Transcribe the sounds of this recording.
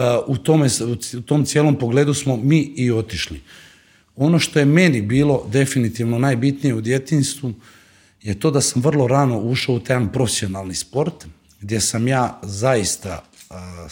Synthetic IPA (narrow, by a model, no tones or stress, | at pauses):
ut̪omeuut̪o̞ːmt̪sjeːlˠo̞mpo̞ɡle̞ːd̪usmo̞miːio̞t̪iʃlḭ | o̞no̞ʃt̪o̞jeme̞nibiːlˠo̞d̪e̞finit̪iʋnonaːjbit̪nije̞ud̪je̞t̪inst̪ʋu | je̞t̪o̞ːd̪asamʋr̩lˠo̞ɾano̞uʃaut̪aanpɾo̞fesionalˠnispo̞ɾt̪ | ɡd̪je̞samjaːzaist̪a̰